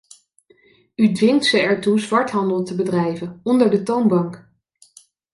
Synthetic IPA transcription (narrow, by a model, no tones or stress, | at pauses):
ydʋɪŋtsəɛɹtuzʋɑɹtɦɑndəlˠtəbədrɛjvənɔndəɹdətownbɑŋk